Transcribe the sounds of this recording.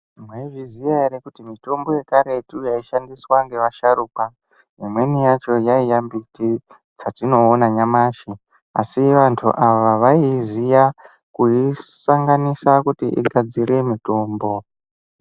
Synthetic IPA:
imweiʐizijaiɾekutimito̞mbo̞je̞kaɾe̞tujaiʃandiswaŋɡe̞ʋaʃaɾuːka | ɦimwe̞nijat͡ʃo̞jaijambiti | t͡satino̞ːnaɲamaːʃi | a̰siʋantʰṵʔaʋaʋaizija | kuisaŋɡanisakutiʔḭɡʱad͡zire̞mito̞ːmbo̞

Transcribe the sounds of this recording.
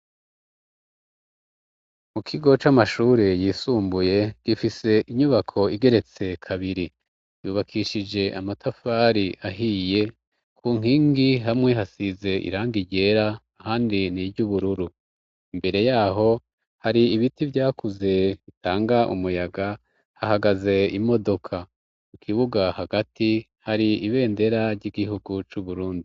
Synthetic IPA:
mukʰiɡo̞t͡ʃamaʃuːɾejiːsuːmbuje̞ɡ̥ifise̞ʔiɲuβakʰo̞iɡe̞ɾe̞t͡se̞kʰaβiɾi | juːβakʰiʃid͡ʒe̞ʔamatʰafaɾiʔaɦije̞ | kʰuːŋ̥iːŋɡiɦamŋe̞ɦasize̞ʔḭɾaːŋɡiɟe̞ːɾaː | haːndiniɟuβuɾuɾu | imbe̞ɾe̞jaːɦo̞ | haɾiːβitivɟaːkuze̞βitʰaːŋɡaʔṵmujaɡa | hahaɡaze̞imo̞do̞kʰa | ukʰiβuɡahaɡati | haɾiiβe̞ːnde̞ɾaɾɟiɡihuɡut͡ʃuβuɾuːndi

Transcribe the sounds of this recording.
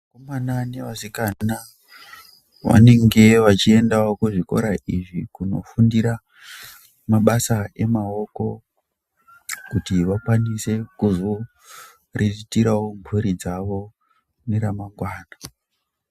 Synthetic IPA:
makomanane̞ʋasikana | ʋa̰ne̞ŋɡe̞ʋat͡ʃie̞ndaokuʐiko̞̰ɾaʔiʐikuno̞̰fundiɾa | maɓasae̞mao̞ko̞ | kutiʋakwanise̞kuzo | reitiɾawompuɾid͡zaʋo̞ | neɾamaŋɡwaːna

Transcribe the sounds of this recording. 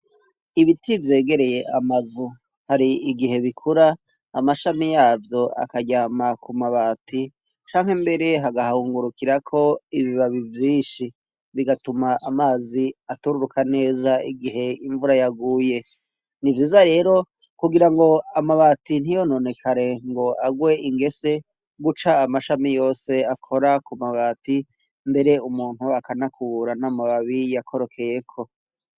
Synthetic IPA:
iβitivje̞ːɡe̞ɾe̞je̞ʔamazu | haɾiiɡiɦe̞βikʰuɾaː | maʃamijaːvjo̞a̰kaɟamakʰumaβaːtʰi | t͡ʃaːŋhembe̞ɾe̞ɦaɡahauːŋɡuɾukiɾakʰo̞iβiβaβivjiːʃi | βiɡatumaʔamaːziatuɾuɾukane̞ːzaiɡiɦe̞iɱvuɾajaɡuːje̞ | nivjiːzaɾe̞ːɾo̞ | kuɡiɾaŋɡo̞amaβaːtin̥ijo̞no̞ne̞kʰaɾe̞ŋɡo̞ʔaɡwe̞iŋɡe̞se̞ | ɡut͡ʃaːmaʃamijo̞ːse̞akʰo̞ɾakumaβaːti | mbe̞ɾe̞umuːn̥huakanakʰuuɾanamaβaβijakʰo̞ɾo̞kʰe̞je̞kʰo̞

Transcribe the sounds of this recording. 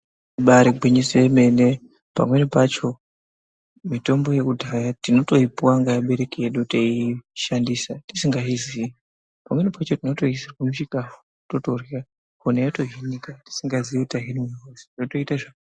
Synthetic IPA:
ɓaɾiɡʱwiɲisieme̞ne̞ | pa̰mwe̞nipat͡ʃo̞ | mito̞mbo̞je̞kudʱajatino̞to̞ipuwaŋɡajaɓe̞ɾe̞kieɗuteiʃandisati̥siŋɡaizii | pamwe̞nipat͡ʃo̞tino̞to̞isarkumuʃikafu̥ | totorira | konejato̞ɦinikati̥siŋɡaziiutaɦinimiɦosi̥oto̞itaʐak

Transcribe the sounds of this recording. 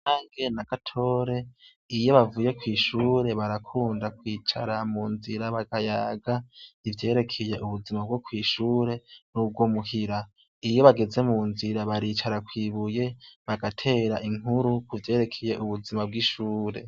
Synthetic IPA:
aːŋɡe̞naɡ̥atʰo̞ːɾe̞ | ijo̞βavuje̞kwiːʃuːɾe̞βaɾakʰuːndakwit͡ʃa̰ɾamuːnziɾaβaɡajaɡaivje̞ːɾe̞kʰeje̞uβuzimab̚ɡo̞kwiːʃuːɾe̞nub̚ɡwo̞muɦiɾa | ijo̞βaɡeze̞muːnziɾaβaɾiːt͡ʃaɾakwiːβuje̞βaɡatʰe̞ːɾaʔiŋuɾukuvje̞ːɾe̞kʰeje̞ʔuβuzimab̚ɡiʃuːɾe̞̰

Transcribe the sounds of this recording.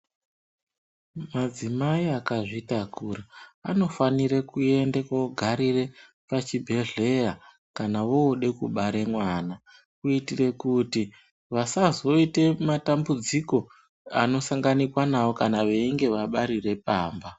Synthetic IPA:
mad͡zimaiakaʐitakuraːno̞faniɾekue̞ndekoɡʱaɾire̞ | pat͡ʃibʱe̞ɮe̞ra | kanawo̞ːɗe̞kuɓaɾe̞mwaːna | kuitire̞kuti | ʋasazo̞ite̞matambud͡ziko̞ | ano̞saŋɡanikwanawo̞kanaʋe̞iŋɡe̞ʋaɓaɾire̞p̚aːmba

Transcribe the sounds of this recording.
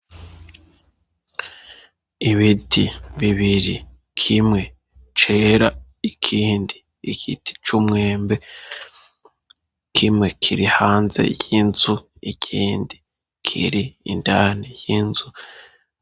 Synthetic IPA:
iβitʰiβiβiɾi | kʰimŋe̞ | t͡ʃeːɾa | ikʰiːndiː | ɡ̥itʰi̥t͡ʃumŋeːmbe̞ | kʰimŋe̞kʰiɾihaːnze̞̰jinzu | icʰiːndi | kʰḭɾḭːndaːnijinzu

